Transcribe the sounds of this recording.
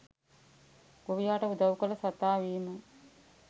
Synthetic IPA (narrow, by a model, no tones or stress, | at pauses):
ɡ̥oʋijaːʈəud̪ɐwkələsat̪aːʋiːmə